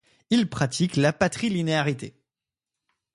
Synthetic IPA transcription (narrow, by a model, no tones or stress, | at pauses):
ilpχat̪ʰiklapat̪χilineaʁit̪ḛ